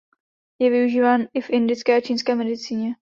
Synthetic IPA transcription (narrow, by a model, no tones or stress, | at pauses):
jɛvɪuʒiːvaːnɪfʔɪndɪt͡skɛːat͡ʃiːnskɛːmɛdɪt͡siːɲɛ